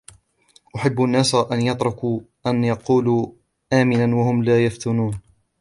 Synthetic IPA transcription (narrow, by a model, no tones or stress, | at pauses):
ʔʊħabːʔanːaːsaʔanjɑt̪ˤɾʊku | ʔanjɑquːluː | ʔaːmɪnanwahʊmlaːjaft̪ʊnuːn